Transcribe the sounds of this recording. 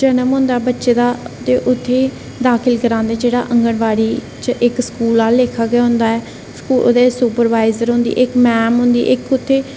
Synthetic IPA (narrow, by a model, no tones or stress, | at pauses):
d͡ʒənəmɦʊ̃ːnd̪aːɛːbətːʃeːd̪aːt̪eːʔʊt̪ʰːeː | d̪aːkʰɪlkəɾãːnd̪eːd͡ʒeːɽa̰ːʔəŋɡəɳʋaːɽiː | t͡ʃəʔɪksə̥kuːlaːlːeːkʰaːɡɪjaːɦʊ̃nd̪aːɛː | skṵːd̪eːsuːpəɾʋaːɪzəɾɦʊ̃nd̪ḭːʔɪkmɛːmɦʊ̃nd̪ḭːʔɪkʊt̪ʰːeː